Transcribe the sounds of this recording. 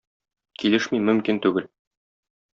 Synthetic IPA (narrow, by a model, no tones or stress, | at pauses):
kilɘʃmimɵ̆mkint̪ʉɡɘl